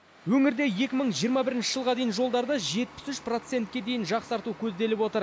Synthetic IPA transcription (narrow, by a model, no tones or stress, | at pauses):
wɵŋɪɾd̪e̞je̞kʲɪməɴʒijəɾmɑbɪɾɪnʃɪʒəlˠʁɑd̪e̞jɪnʒo̞lˠd̪ɑɾd̪əʒe̞t̪̚pɪ̥sʏʃpro̞t̪se̞nt̪̚kʲe̞d̪e̞jɪnʒɑqsɑɾt̪ukʲʰɵzd̪e̞lɪpwo̞t̪əɾ